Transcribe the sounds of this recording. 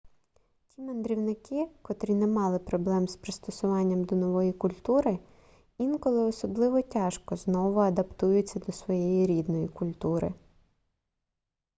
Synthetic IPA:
tʲimend̪ɾʲiwnɪkɪkɔt̪ɾʲinɛmɑlˠɪpɾɔblˠɛmspɾɪst̪ɔsʊʋɑnʲːɐmd̪ɔnɔʋɔjikʊlʲt̪uɾɪ | inkɔlˠɪɔsɔblˠɪʋɔtʲɑʃkɔznɔʋʊɐd̪ɐpt̪ujʊt͡sʲːɐd̪ɔsʋɔjɛjiɾʲid̪nɔjikʊlʲt̪uɾɪ̰

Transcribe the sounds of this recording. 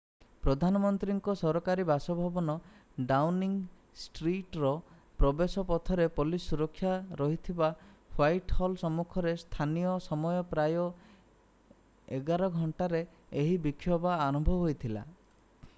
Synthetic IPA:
pɾɔd̪ʱanɔmɔnt̪ɾiŋkɔsɔɾɔkaɾibasɔbʱɔbɔnɔ | ɖawniŋ | sʈɾiʈɾɔ | pɾɔbesɔpɔt̪ʰɔɾepɔlisuɾɔkʰːjaɾɔɦit̪ʰibapʰwajʈhɔlsɔmːukʰɔɾest̪ʰanijɔsɔmɔjɔpɾajɔ | eɡaɾɔɡʱɔɳʈaɾeː | ɦibikʰːjɔbaːɾɔmbʱɔɦojt̪ʰila̰

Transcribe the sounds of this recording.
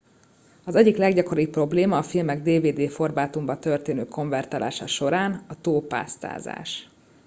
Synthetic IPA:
ɒzɛɟːiklɛɡɟɒko̞ɾipːro̞bleːmɒːfilmɛɡd̪eːveːd̪eːfo̞rbaːt̪umbɒt̪ø̞rt̪eːnøːkʰo̞ɱvɛrt̪aːlʔa̰ːʃɒ̰ʃo̞ɾaːnɒt̪oːpa̰ːst̪a̰ːza̰ːʃ

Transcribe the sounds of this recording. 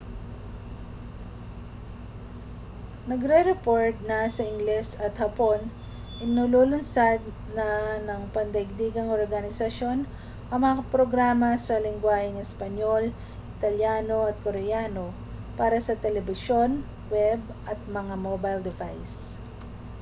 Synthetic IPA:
nɐɡɾɛɾɛpoɹt̪̚nɐsɐʔɪŋɡlɛsɐt̪hɐpo̞n | ʔɪnululʊnsad̪̚ | nɐnɐŋpɐnd̪ɐɪɡ̚d̪iːɡɐŋʔoɹɡɐnɪsɐʃo̞n | ʔɐŋmɐŋaɐpɾoɡɾaːmɐsɐlɪŋɡwaːhɪŋɛspɐɲo̞l | ʔɪt̪ɐljaːno̞ɐt̪̚koɾɛjaːno̞ | paːɾɐsɐt̪ɛlɛbɪʃo̞n | wɛb̚ | ʔɐt̪̚mɐŋamobajld̪ɪvajs

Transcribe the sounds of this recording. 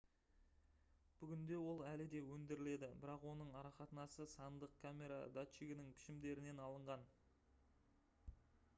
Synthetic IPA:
b̥ʏɡʲɪnd̪e̞wo̞lˠælɪd̪e̞wɵnd̪ɪɾɪle̞d̪ɪbɪɾɑqwo̞nəɴɑɾɑχɑt̪ənɑsəsɑnd̪əq̚kʰamʲe̞ɾa̰d̪at͡ʃiɡʲɪnɪŋpʰɪ̥ʃɪmd̪e̞ɾɪne̞nɑlˠəɴʁɑn

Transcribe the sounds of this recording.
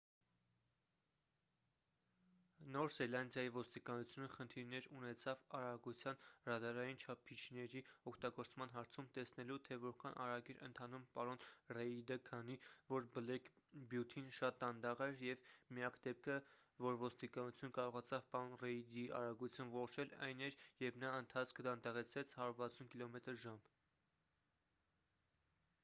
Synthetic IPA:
nɔɾzɛlɑnd̪jɑjivɔst̪ikɑnut͡sʰjunəχənt̪ʰiɾnɛɾunɛt͡sʰɑvɑɾɑɡut͡sʰjɑnrɑd̪ɑɾɑjint͡ʃʰɑpʰit͡ʃʰnɛɾiɔkʰt̪ɑɡɔɾt͡smɑn̪ɦɑɾt͡sʰumt̪ɛsnɛlut̪ʰɛvɔɾkʰɑnʔɑ̰ɾɑɡiɾʔə̰nt̪ʰɑnumpɑɾɔnrɛid̪əkʰɑnivɔɾbəlɛk | bjut̪ʰinʃɑt̪̚d̪ɑnd̪ɑʁɛɾjɛvmijɑkd̪ɛp̚kʰə | vɔɾvɔst̪ikɑnut͡sʰjunkɑɾɔʁɑt͡sʰɑvpɑɾɔnrɛid̪iɑ̰ɾɑɡut͡sʰjunvɔʁɔt͡ʃʰɛlɑ̰jnɛɾjɛvnɑənt̪ʰɑt͡sʰkʰd̪ɑnd̪ɑʁɛt͡sʰɾɛt͡sʰhɑɾuɾvɑt͡sʰunkilɔmɛt̪əɾʒɑm

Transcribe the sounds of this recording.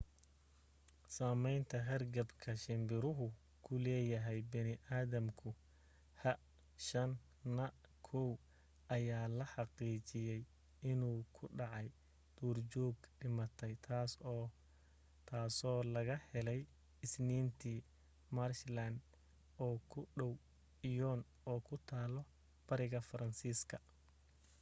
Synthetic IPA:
saːmɛjnt̪ʰɐɦɐrɡɐbkʰɐʃɪmbɪɾʊɦʊ | kʰʊlɛːjɐɦɛjbɐnɪʔaːðɐmkʰʊ | hɐ | ʃɐnː | ɐkʰɔw | ɐjaːlɐħɑqiːt͡ʃɪjɛj | ɪnuːkʰʊɖɑʕɑj | d̪̥uːrt͡ʃɔːɡɖɪmɐt̪ʰɛjt̪ʰas | t̪ʰaːsɔːlɐɣɐhɛlɛj | ɪsniːnt̪ʰiː | marʃland̪ | ɔːkʰʊɖɔw | ɪjɔːn | ɔːkʰʊt̪ʰaːlɔ | b̥ɐɾɪɣɐfɐɾɐnsiːskʰɐ

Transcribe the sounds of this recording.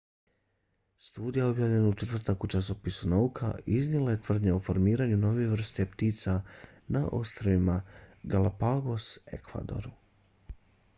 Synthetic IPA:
st̪uːd̪ijao̞bjaːvʎenaut͡ʃet̪r̩t̪akut͡ʃaso̞pisunaukʰa̰iznilajet̪ʋr̩d̪ɲaofo̞ɾmiːɾaɲuno̞ʋeeʋr̩st̪e̞pt̪iːt̪sanaʔo̞̰st̪ɾoʋimaɡalapaɡo̞se̞̰kʋa̰d̪o̞̰ɾ

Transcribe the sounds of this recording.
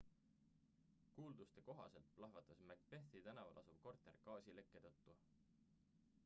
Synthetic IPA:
kuːld̪ust̪e̞ko̞ɦɑ̰se̞lt̪̚plɑɦvɑt̪ːˑɑsmæɡ̚pe̞θit̪ænɑvɑ̰lʔɑ̰sub̥̚ko̞rt̪e̞rkɑːsile̞kːe̞t̪ɤt̪ːu

